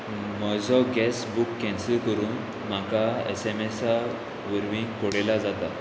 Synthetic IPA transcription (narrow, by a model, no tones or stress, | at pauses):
məd͡zɔɡɛsbukːɛ̃nsəlkəɾuːn | m̤akaḛsemesa | ʋəɾʋĩŋɡkoɽelad͡zat̪a